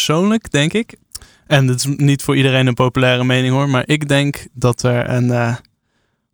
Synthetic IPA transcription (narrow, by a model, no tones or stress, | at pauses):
sownləkdɛŋkɪk | ɛndɪtɪsnitfʊːɹʔidərejnənpowpylɛːrəmejnɪŋɦʊːɹmaːɹʔɪɡdɛŋkdɑtɛɹə̰nː